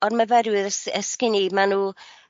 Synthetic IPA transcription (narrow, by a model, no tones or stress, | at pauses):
ɔnməvɛdwɪðəsəskɪnimanuː